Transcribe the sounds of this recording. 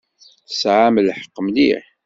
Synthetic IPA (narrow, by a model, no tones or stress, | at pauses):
θəsʕaməlħə̥qːəmlḭħ